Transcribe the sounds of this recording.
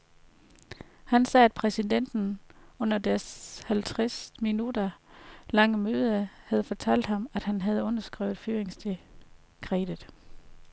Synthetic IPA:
hænsɛːæd̥̚pʰʁɛsid̥en̰d̥n̩ɔ̽n̰ɐd̥æɐshælt͡sʰʁasminud̥ɐlɑ̈ŋəmøːð̞ˠəɐhæð̞̩ˠfɒ̽t͡sʰæl̰d̥hɑ̈mæd̥hænɦæð̞ˠɔ̽n̰ɐsɡ̥ʁɛ̰ʊð̩ˠfyːɐeŋsd̥e | kʰʁɛ̰ːd̥ð̩ˠ

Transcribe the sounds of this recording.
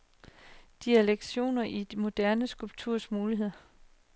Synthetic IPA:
d̥iæleɡ̥ɕo̝̰ːnɐʔid̥mo̝d̥æɐnəsɡ̥ulb̥̚t͡sʰuɐ̰smuːliɦe̝ð̰ˠɐ

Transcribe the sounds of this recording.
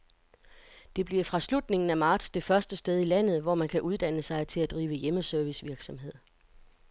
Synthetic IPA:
d̥e̝b̥liɐfʁɑ̈slud̥ne̝ŋn̩æmɑ̈ːd̥sd̥e̝fɶɐsd̥əsd̥eð̞ˠilæn̰ð̞̩ˠʋɒmænkʰæʔuð̞ˠd̥æn̰əsɑ̈ɪt͡sʰe̝læd̥ʁiːʊʋəjeməsøɐʋisʋiɐɡ̥sɒ̽mɦe̝ð̞̰ˠ

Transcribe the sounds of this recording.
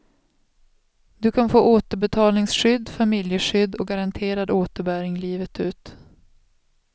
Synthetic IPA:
d̪ɵkʰanfoːʔoːt̪əɾbɛt̪ʰɑːlnɪŋsɧʏd̪ːfamɪljəɧʏd̪ːɔɡaɾant̪ʰeːɾad̪oːt̪əɾbæːɾɪŋliːvət̪ʉ̟ːt̪

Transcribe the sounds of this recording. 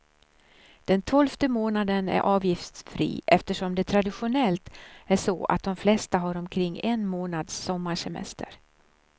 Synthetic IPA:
d̪̥ɛnt̪ʰɔlft̪əmoːnad̪ənæ̰ɾʔɑːvjɪft̪fɾḭːʔɛft̪əʂɔmd̪ɛt̪ʰɾad̪ɪɧʊnɛlt̪æʂɔa̰t̪̚d̪ɔmflɛst̪aɦaɾɔmkʰɾɪŋːɛnmoːnad̪sːɔmːaʂɛmɛ̰st̪ə̰ɾ

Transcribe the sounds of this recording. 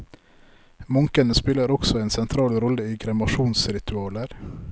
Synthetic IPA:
mɔŋkənəspɪləɾɔksɔeːnsɛnt̪ʰɾɑːlɾɔləiːɡɾɛmɑʃuːnsɾɪt̪ʉɑːləɾ

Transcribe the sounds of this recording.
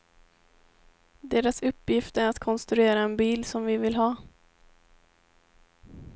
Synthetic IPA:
d̪eːɾasɵpːjɪft̪æɾat̪kʰɔnst̪ɾɵeːɾaɛnbiːlsɔmvɪvɪlɦɑː

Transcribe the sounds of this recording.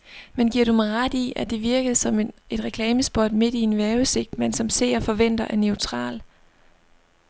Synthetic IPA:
menɡ̥iɐ̰ɾumɑʁad̥iæd̥e̝ʋiɐɡ̥əð̞̩ˠsɒ̽me̝d̥ʁɛkʰlɛːməsb̥od̥me̝d̥inʋæɐʊse̝ɡ̥̚d̥mensɒ̽mse̝̰ːɐfɒ̽ʋen̰d̥ɐʔæɐneʊt͡sʰʁɑ̰̈ːl

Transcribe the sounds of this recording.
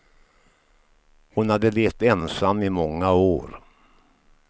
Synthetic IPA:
hʊnhad̪ːəlɛːft̪ɛnsamːɪmɔŋːaoːɾ

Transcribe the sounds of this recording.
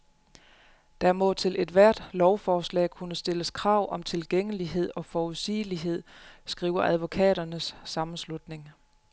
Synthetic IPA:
d̥ɑmɔ̽t͡sʰe̝lʔe̝d̥ʋæɐ̰d̥lɒʊfɒːslɛ̰ːkʰunəsd̥e̝ləskʰʁɑ̈ʊ̰ʔɒ̽mt͡sʰe̝lɡ̥eŋ̰əliɦe̝ð̞̰ˠɒ̽fɒːuðˠsḭːliɦe̝ð̰ˠsɡ̥ʁiːʊɐʔæð̞ˠʋo̝kʰɛ̰ːɾ̥ɐnəsːɑ̈mn̩slud̥ne̝ŋ

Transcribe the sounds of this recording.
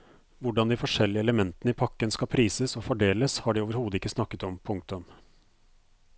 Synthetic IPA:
ʋʊɖɑnd̪ɪfɔʂɛlːɪəɛləmɛnt̪ənəɪpʰɑkːənskɑpʰɾiːsəsɔfɔɖeːləshɑɖiɪoːʋəɾhuːd̪əɪkːəsnɑkːət̪ɔmpʰʊŋk̚t̪ʉm

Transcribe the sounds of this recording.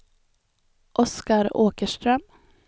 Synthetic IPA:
ʔɔskɑɾoːkəʃʈɾœm

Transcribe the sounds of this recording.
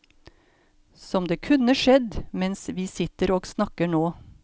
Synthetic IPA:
sɔmd̪eːkʰʉnəʂɛd̪mɛnsʋiːsɪt̪əɾoːɡsnɑkəɳoː

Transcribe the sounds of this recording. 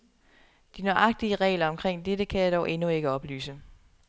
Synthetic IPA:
d̥inɒɑ̈ɡ̥̚d̥iəʁɛ̰ːlɐɒ̽mkʰʁeŋ̰d̥edəkʰæjɑ̈ɾ̥ɒʊʔe̝nue̝ɡ̥əɒ̽b̥ly̰ːsə

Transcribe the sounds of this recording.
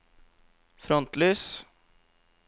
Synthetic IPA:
fɾɔnt̪lyːs

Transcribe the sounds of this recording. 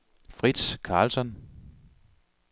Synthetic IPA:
fʁid̥skʰɑ̈ːlsɒ̽n

